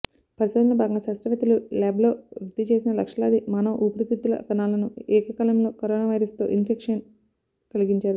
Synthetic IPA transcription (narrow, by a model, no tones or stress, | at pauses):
pɐɾisɐd̪unlɐbʱaːɡɐŋɡɐsaːsɾɐʋɐt̪ɐlulaːblo̞ːɾud̪ːit͡ʃe̞ːsinɐlɐkʂɐla̰ːd̪imanɐʔupɐɾit̪it̪ːulɐ̰kɐnaːlɐnuɛːkɐkɐlɐmlo̞ːkoɾoːnaːʋɐjɾɐst̪o̞̰ːʔinpʰekʂɐn | kɐliɡiɲt͡ʃaːɾu